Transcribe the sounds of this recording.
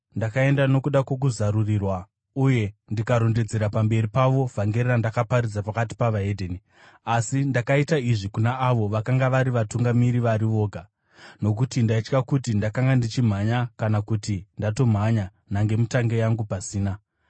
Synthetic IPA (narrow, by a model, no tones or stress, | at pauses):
ndakae̞ndano̞kuɗakwe̞k̬uzaɾurirwa | uje̞ndikaɾo̞nded͡ze̞ɾapambe̞ripaʋo̞vʱaŋɡe̞rerandakaparid͡zapakati̥paʋaedʱeːni | asindakaitaiʐikunaːʋo̞ʋakaŋɡaʋaɾiʋatuŋɡamiɾiʋaɾiʋo̞ːɡʱa | no̞kutindait͡ʃkakutindakaŋɡandit͡ʃim̤aɲakanakutindato̞m̤aɲa | naŋɡe̞mutaŋɡe̞jaŋɡupasiːna